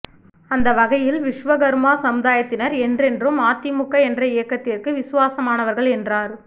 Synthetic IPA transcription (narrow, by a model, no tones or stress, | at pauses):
ɐnd̪ɐʋɐɣɐjɪlʋɪʂʋɐɣɐɾmaːsɐmʊðaːjɐt̪ːɪnɐɾɛndrɛndrɯmaːt̪ːɪmʊkːɐɛndrɐɪjɐkːɐt̪ːɪrkɯʋɪsʊʋaːsɐmaːnɐʋɐɾɣɐɭɛndraːɾ